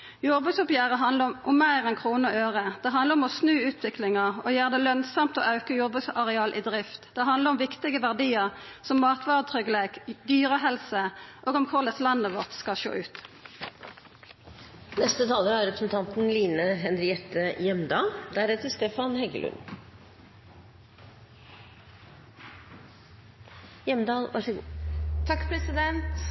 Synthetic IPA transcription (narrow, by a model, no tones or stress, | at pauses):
jɔʁbʉsʊpjæːʁəɦɑnəʔʊmːæɪʁɛnkʰʁuːnəɔʔøːʁəd̪̥ɛɦɑnd̪ləʁɔmɔsnʉːʉːt̪ʰʋɪklɪŋəʁɔjæːʁd̪ɛːlœnsɑmt̪o̰ːʔɑʉkəjɔʁbʉsɑʁɛɑːlʔɪd̪ʁɪft̪d̪̥ɛɦɑnd̪ləʁɔmʋɪkt̪ɪɡəʋæʁd̪iːəʁsɔmːɑːt̪ʰʋɑːʁət̪ʰʁʏɡəleːkd̪yːʁəɦɛlsəʔoːɡɔmkʰʊʁd̪ɛslɑnːəʋɔʁt̪skɑlʃo̰ːʔʉːt̪ | nɛst̪ət̪ʰɑːləɾæɾɛpɾsn̩t̪ʰɑnt̪n̩liːnəɦɛnɾɪɛt̪ːəjɛmd̪ɑːld̪æɾɛt̪əst̪eːfɑnhɛɡə̰lʔʉ̰n | jɛmd̪ɑːlʋɑ̰ʂɡːt̪ʰɑkːpʰɾɛsɪd̪ɛnt̪